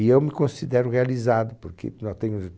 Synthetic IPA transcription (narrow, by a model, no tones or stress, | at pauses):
iewmɪkõsid̪ɛɾʊʁealizad̪ʊpʊɾkḛnɔt̪ẽɲʊ